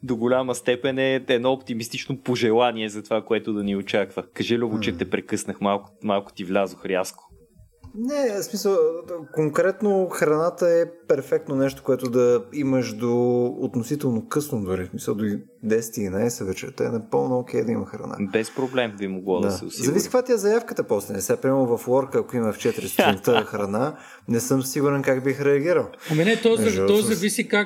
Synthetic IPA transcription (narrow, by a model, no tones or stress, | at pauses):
d̪oɡʊlʲaməst̪ɛpɛnɛɛd̪nɔopt̪imist̪it͡ʃnopoʒɛlˠaniɛzɐt̪ovakoɛt̪ʊd̪ɐniot͡ʃakvəkɐʒɛliobot͡ʃɛt̪ɛpɾɛkɤsnəxmalˠkmalˠkʊ̥t̪ivlʲazoxɾʲjasko̥ | nɛsmisəlˠkoŋkɾɛt̪noxɾɐnat̪əɛpɛɾfɛk̚t̪nonɛʃt̪o̥koɛt̪ʊd̪ɐiməʃd̪oot̪nosit̪ɛlˠnokɤsnod̪ʊɾismisəlˠd̪oi | d̪ɛsɛ̥t̪ilinajsɛvɛt͡ʃɛ̰t̪oɛ̰nɐpɤlˠnook̟ʲɛjd̪ɐimɐxɾɐ̰na̰bɛspɾoblɛmbimoɡlˠɔd̪sɛʊ̰szɐvisi̥kəkvat̪ʲiɛzɐjafkət̪əpɔslɛnɛsʲapɾimɛmʊvɐflˠɔɾkəːkoimɐft͡ʃɛt̪iɾist̪snt̪əxɾɐna | nɛsɤmsiɡʊɾɛnkaɡbixɾɛɐɡʲiɾəlˠɐmɛnɛt̪ɔzʃɔt̪ɔzɐvisika